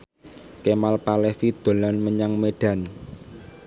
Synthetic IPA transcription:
kemalpalefid̪̥o̤lɔnməɲaŋmeɖ̥a̤n

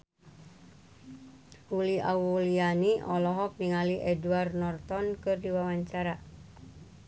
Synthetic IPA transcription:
huliʔa̰wulianiʔɔlɔɦɔk̚niŋaliʔɛduarnɔrt̪ɔnkɨrdiwawaɲt͡ʃaɾa

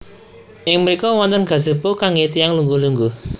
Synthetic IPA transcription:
ʔɪŋməɾikɔwɔnt̪ənɡ̥ä̤zə̤pokaŋet̪ijaŋluŋɡuluŋɡu

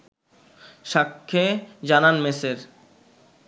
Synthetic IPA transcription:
ʃakʰːed͡ʑananmeseɾ

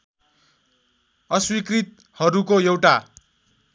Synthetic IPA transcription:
ʌswikrit̪̚ | hʌɾukojewʈa

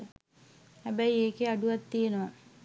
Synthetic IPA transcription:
hɛbæjieːkeaɖuʋat̪ːijenəʋa

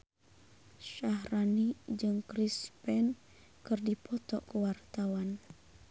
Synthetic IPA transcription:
ʃahranid͡ʒɨŋkɾispɛn | kɨrdipʰɔt̪ɔkəwart̪awan

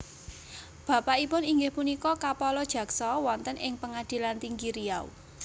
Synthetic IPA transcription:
b̥ä̤paipʊniŋɡɪhpunikɔkapɔlɔd̥ʒ̥ä̤ksɔwɔnt̪ənɪŋpəŋad̪̥i̤lant̪iŋɡiɾiaṵ

